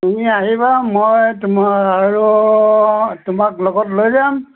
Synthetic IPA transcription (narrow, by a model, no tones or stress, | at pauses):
uniaɦibamɔjtmaɹu | tʊmaklɔɡɔtlojzam